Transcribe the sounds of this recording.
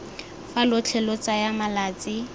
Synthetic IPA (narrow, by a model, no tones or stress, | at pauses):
falʊt͡ɬʰɛlot͡sajamalaːt͡sʼɪ